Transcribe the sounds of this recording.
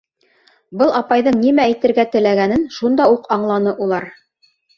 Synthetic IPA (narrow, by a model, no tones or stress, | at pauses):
bɤlˠɑpɑjðɤɴnimæːjt̪ɘ̆ɾɡæt̪ɘ̆læɡænɘnʃund̪ɑuqɑɴlˠɑnɤʔulˠɑɾ